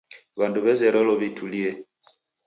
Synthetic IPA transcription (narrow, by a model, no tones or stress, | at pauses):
βanduβɛzɛɾɔlɔβitʰuliɛ